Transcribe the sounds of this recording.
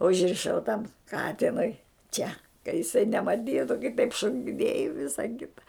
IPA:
ʊʒʲrʲɪˈʃɐʊ tɐm ˈkɑːtʲɪnʊɪ ˈt͡ʃʲɛ kɐ jɪˈsɐɪ nʲɛmɐˈtʲiːtʊ kɐɪ tɐɪp ʃoːkʲɪˈnʲeːj ɪ ˈʋʲɪsɐ ˈkʲɪtɐ

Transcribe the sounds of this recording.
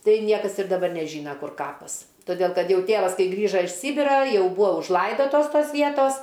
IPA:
ˈtɐɪ ˈnʲiɛkɐs ɪr dɐˈbɐr nʲɛˈʒʲiːnɐ ˈkʊr ˈkɑːpɐs toːˈdʲeːlˠ ˈkɐt ˈjɛʊ ˈtʲeːʋɐs ˈkɐɪ ˈɡrʲiːʒɐ ɪʃ ˈsʲiːbʲɪrɐ ˈjɛʊ ˈbuːɐ ʊʒˈlˠɐɪdoːtoːs ˈtoːs ˈʋʲiɛtoːs

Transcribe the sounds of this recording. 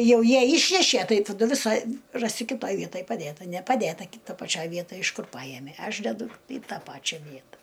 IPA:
ˈjɛʊ ˈjiɛ ˈiːʃʲnʲɛʃʲiɛ ˈtɐɪ tɐˈdʊ ʋʲɪˈsɐ ˈrɑːsʲɪ kʲɪˈtoːj ˈʋʲiɛtɐj pɐˈdʲeːtɐ nʲɛpɐˈdʲeːtɐ kʲɪ ˈtoːj pɐˈt͡ʃʲoːj ˈʋʲiɛtɐj ɪʃ ˈkʊr ˈpɑːjɛmʲeː ˈɐʃ dʲɛˈdʊ iː ˈtɑː ˈpɑːt͡ʃʲɛ ˈʋʲiɛtɐ

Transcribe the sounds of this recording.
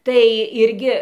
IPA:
tɐɪ ˈɪrʲɡʲɪ

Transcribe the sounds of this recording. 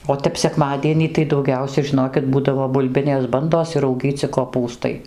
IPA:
oː ˈtʲɛp sʲɛkˈmɑːdʲiɛnʲiː tɐɪ dɐʊˈɡʲɛʊsʲɛ ʒʲɪˈnoːkʲɪt ˈbuːdɐʋoː bʊlʲˈbʲɪnʲeːs ˈbɐndoːs ɪr rɐʊˈɡʲiːt͡sʲɪ koːˈpuːstɐɪ

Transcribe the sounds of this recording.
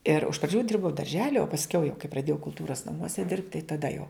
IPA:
ɪr ɪʃ prɐˈd͡ʒʲuː ˈdʲɪrbɐʊ dɐrʲˈʒʲæːlʲɪ oː pɐsʲˈkʲɛʊ jɛʊ kɐɪ prɐˈdʲeːjɛʊ kʊlˠˈtuːrɐs nɐˈmuɔsʲɛ dʲɪrpt tɐɪ tɐˈdɐ jɛʊ

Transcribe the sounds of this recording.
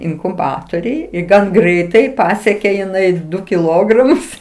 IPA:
ɪŋkʊˈbɑːtoːrʲʊj ɪ ˈɡɐn ˈɡrʲɛɪtɐɪ ˈpɑːsʲiɛkʲeː jɪˈnɐɪ ˈdʊ kʲɪˈlˠoːɡrɐmʊs

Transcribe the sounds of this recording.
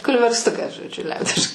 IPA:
kʊlʲʋʲɛrsˈtʊkɐs ʒoːdʲˈʒʲʊ ˈlʲɛʊdʲɪʃ

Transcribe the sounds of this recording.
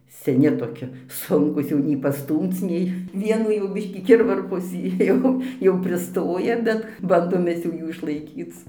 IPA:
sʲɛˈnʲɪ toːˈkʲɪ ˈsʊŋkuːs ˈjɛʊ nʲɛɪ pɐˈstuːmt͡s ˈnʲɛɪ ˈʋʲiɛnuː jɛʊ ˈbʲɪʃʲkʲiː ˈkʲɪrʋɐrpoːs ˈjɛʊ jɛʊ pʲrʲɪˈstoːjɛ ˈbʲɛt ˈbɐndoːm ˈmʲɛs jɛʊ ˈjuː ɪʃlˠɐɪˈkʲiːt͡s

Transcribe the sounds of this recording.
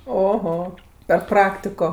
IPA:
oːˈɣoː pʲɛr ˈprɑːktʲɪkoː

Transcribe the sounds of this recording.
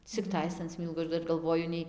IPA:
t͡sʲɪkˈtɐɪs ɐn ˈsʲmʲiːlˠɡʊ ɐʃ ˈdɐr ɡɐlˠˈʋoːjʊ ˈnʲɛɪ

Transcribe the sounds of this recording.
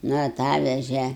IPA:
ˈnʊ ɐˈtɑːʋʲɛʒʲɛ

